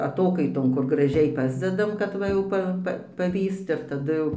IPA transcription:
ɐˈtoːkɐɪtoːn kʊr ɡrɐˈʒʲɛɪ ˈpɑːzʲdʲɛdɐm kɐt ˈʋɐ jɛʊ ˈpɐ ˈpɐ pɐˈʋʲiːst ɪr tɐˈdʊ ˈjɛʊ

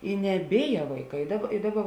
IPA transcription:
ɪ nʲɛˈbʲeːjɛ ʋɐɪˈkɐɪ ɪ ˈdɑːˌbɐ ɪ ˈdɑːˌbɐ

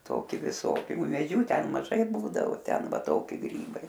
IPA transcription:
ˈtoːkʲɪ ʋʲɪˈsoːkʲɪ ʊmʲeːˈd͡ʒʲuː ˈtʲɛn mɐˈʒɐɪ ˈbuːdɐʋoː ˈtʲɛn ˈʋɐ ˈtoːkʲɪ ˈɡrʲiːbɐɪ

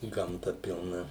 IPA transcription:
ɡɐmˈtɐ pʲɪlˠˈnɐ

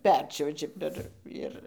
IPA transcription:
ˈpʲɛrʲt͡ʃʲuɔʒʲɪ pʲɛr ˈɪr

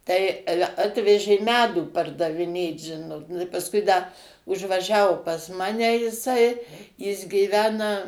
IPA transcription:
tɐɪ ˈɑːlʲɛ ˈɑːtʲʋʲɛʒʲeː ˈmʲæːduː pɐrdɐʋʲɪˈnʲeːt ˈʒʲɪnoːt nʊ ɪ pɐsˈkʊɪ dɐ ʊʒʋɐˈʒʲæːʋoː pɐs ˈmɑːnʲɛ jɪˈsɐɪ jɪs ɡʲiːˈʋʲæːnɐ

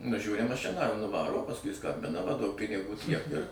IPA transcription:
nʊˈʒʲuːrʲɪ mɐˈʃʲɪnɑː ɪr nʊˈʋɑːroː oː pɐsˈkʊɪ ˈskɐmʲbʲɪnɐ ʋɐ duɔk pʲɪnʲɪˈɡuː tʲiɛk ɪr

